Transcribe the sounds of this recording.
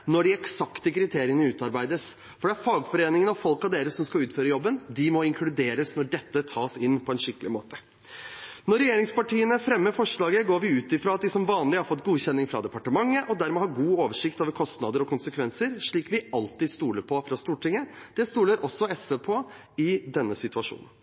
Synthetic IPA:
nɔɖɪɛksɑkt̪əkʰɾɪt̪ʰeːɾɪənəʉːt̪ɑɾbæɪd̪əs | fɔɖɛæɾfɑːɡfɔɾeːnɪŋənɑʋfɔlkɑʋd̪eːɾəsɔmskɑʉːt̪føːɾəjɔbːənd̪ɪmɔɪŋkʰlʉd̪eːɾəsnɔɖɛt̪ːət̪ʰɑːsɪnːpʰɔɛnʂɪkːəlɪmoːt̪ə | nɔɾɛjeːɾɪŋspɑʈiːənəfɾɛmːəfɔʂɭɑːɡəɡoːɾʋɪʉːt̪ɪfɾoːɑt̪̚d̪ɪsɔmʋɑːnlɪhɑɾfɔt̪ːɡuːçɛnːɪŋfɾɑ̰d̪ɛpɑʈəmɑŋːəʔɔd̪æɾmɛːhɑɾɡuːoːʋəʂɪkt̪oːʋəɾkʰɔst̪nɑd̪əɾɔkʰʊnsəkʰʋɛnsəɾʂɭiːkʋɪɑlt̪ɪd̪st̪uːləɾpʰɔfɾɑst̪uːʈʰɪŋːəd̪̥ɛst̪uːləɾʔɔsːɔɛsʋepʰoː | ɪd̪ɛnːəsɪt̪ʉɑʂṵːnən

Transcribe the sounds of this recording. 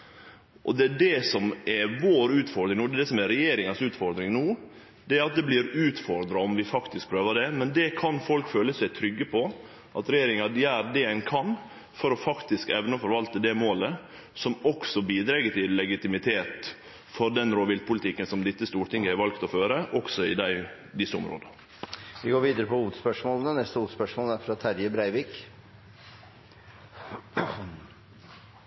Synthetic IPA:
ʔɔd̪ɛɖɛsɔmɛʋoːɾʉːt̪fɔɾd̪ɾɪŋnuːd̪ɛd̪ɛsɔmɛɾɛjeːɾɪŋɑsʉːt̪fɔɾd̪ɾɪŋnuː | d̪̥ɛæɾɑt̪̚d̪ɛbliːɾʉːt̪fɔɾd̪ɾɑɔmʋɪfɑkt̪ɪsk̚pʰɾøːʋɑd̪ɛmɛnd̪ɛkʰɑnfɔlkføːləsæɪt̪ʰɾʏɡːəpʰɔ | ʔɑt̪ɾɛjeːɾɪŋɑd̪jæːɾd̪ɛɛnkʰɑn | fɔɾɔfɑkt̪ɪskɛʋnəfɔɾʋɑlt̪əd̪ɛmoːlə | sɔmɔksɔbiːd̪ɾɛɡət̪ɪlːɛɡɪt̪ɪmɪt̪ʰeːt̪ | fɔɾɖ̪ɛnɾoːʋɪlpʊlɪt̪ʰɪkːənsɔmd̪ɪt̪ːəst̪uːɾʈɪŋːɡəhɛɾʋɑlkt̪ɔføːɾəʔɔksɔɪd̪æɪ | d̪ɪsːəʊ̰mɾo̰ːd̪ə | ʋɪɡoːɾʋiːd̪əɾəpʰɔuːt̪spœʂmoːlənənɛst̪əʉːt̪spœʂmoːlæɾfɾɑt̪ʰæɾjəbɾæɪʋiːk

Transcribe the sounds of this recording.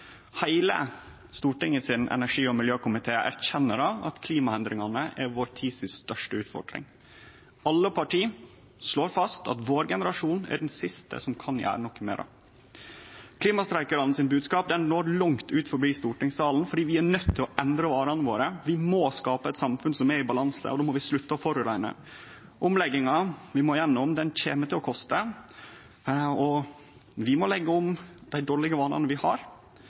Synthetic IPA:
hæɪlə̰ | st̪uːʈɪŋəsɪnʔɛ̰næʂiːɔmɪljøːkʊmɪt̪ʰeːʔæ̰ɾçɛnːəɾɑɑ̰t̪kʰliːmɑɛnd̪ɾɪŋɑnəʔæɾʋoːɾt̪ʰiːsɪsst̪œʂʈəʉːt̪fɔ̰ɖɾɪ̰ŋ | ɑlːəpʰɑʈʰiː | ʂɭoːɾfɑst̪ʰɑ̰t̪ʋoːɾɡɛnəɾɑʂuːnæ̰ɖɛnsɪst̪ə̰sɔmkʰɑnjæ̰ːɾənɔkːəmḛːɾɑ̰ | kʰliːmɑst̪ɾæɪkəɾɑn̩sɪnbʉːd̪skɑːp̚d̪ɛnnoːɾɭʊŋt̪ʉːt̪fɔɾbiːst̪uːʈɪŋsɑːln̩fɔɖiːʋɪæɳœt̪ʰːɪlɔʔɛnd̪ɾəʋɑːɾɑnəʋo̰ːɾəʋɪmoskɑːpəɛt̪sɑmfʉnsɔmɛɾɪbɑlɑnsə̰ʔɔd̪oːmɔʋɪsɭʉt̪ːəɔfɔɾʉɾæɪnə̰ | ʔʊmlɛɡɪŋɑʋɪmɔjɛnːɔmd̪ɛnçeːmət̪ʰɪlɔkʰɔst̪ə | ɔ | ʋɪmɔlɛɡːəʊmd̪̥æɪd̪oːɭɪɡəʋɑːnɑ̰nəʋɪhɑ̰ɾ

